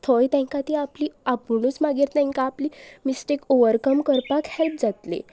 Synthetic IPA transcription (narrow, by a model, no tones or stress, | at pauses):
t̪ʰojt̪ɛ̃ŋkat̪iapliːapunut͡smaɡiɾt̪ɛ̃ŋkaːpliːmisʈekoʋəɾkəmkəɾpakhɛlp̚d͡zat̪lḛ